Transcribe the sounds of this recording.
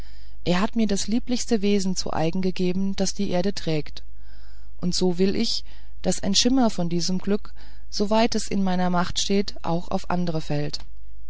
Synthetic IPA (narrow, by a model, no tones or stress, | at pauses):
ʔeːɐɦatmiːɐdasliːplɪçstəveːzn̩t͡sṵʔa̰ɪɡŋ̩ɡəɡeːbm̩d̥asd̥iːʔeːɐɾətʁ̥ɛːkt | ʔʊntz̥oːvɪlʔɪç | d̥asʔaɪnʃɪmɐfɔndiːzəmɡlʏk | z̥ovaɪtɛsɪnmaɪnɐmaχtʃteːtʔa̰ʊxa̰ʊfʔa̰ndəʁəfɛlt